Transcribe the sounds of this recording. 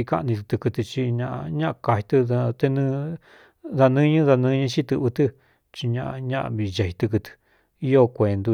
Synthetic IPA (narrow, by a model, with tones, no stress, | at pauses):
i˧ka̰˦˧nĩ˧t̪̬ɨ˧t̪ɨ˧kɨ˧t̪ɨ˧t͡ʃi˧ɲã˧ʔɲã˦ʔka˧hi˧t̪ɨ˧ða˧t̪e˧nɨ̃˦˧ | ða˧nɨ̃˦ɲɨ̃˦ða˧nɨ̃˦˧˦ɲɨ̃˧t͡ʃi˦t̪ɨ˧βɨ˧t̪ɨ˦ | t͡ʃi˧ɲã̰˧ʔa˧ɲã˦ʔa̰˧βi˧ja˧hi˧t̪ɨ˧k̬ɨ˧t̪ɨ̥˧ | i˦jo˦kʷe˨nd̪u˧